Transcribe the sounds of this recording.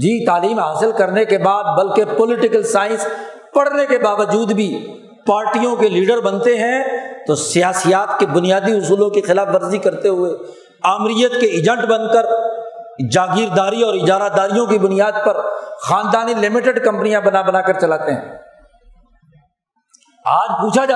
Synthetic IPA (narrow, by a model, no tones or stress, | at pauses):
d͡ʒiːt̪aːliːmɦaːsɪlkɐɾnekebaːd̪̚bɐlkepɔlɪʈɪkəlsaːɪ̃ns | pɐɽnekebaːʋəd͡ʒuːd̪bʱi | paːɾʈijõkeliːɖəɾbɐ̃nt̪eɦɛ̃t̪osijaːsijaːt̪kebʊnijaːd̪iɦʊsuːlõkexɪlaːfʋɐɾzikɐɾt̪eɦʊe | aːmɾijət̪̚keɪd͡ʒɛ̃ɳʈbɐ̃nkəɾ | d͡ʒaːɡiɾd̪aːɾiɔːɾɪd͡ʒaːɾad̪aːɾijõkibʊnijaːd̪̚pɐɾxaːnd̪aːnilɪmɪʈeɖkɐ̃mpnijãbɐnabɐnaːkəɾt͡ʃɐlaːt̪eɦɛ̰̃ː | aːd͡ʒpuːt͡ʃʰaaː